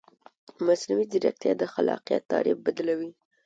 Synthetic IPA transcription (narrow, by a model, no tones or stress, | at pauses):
masnawiziɾak̚t̪jɑd̪əxalɑqijat̪ːɑɽebbad̪lawi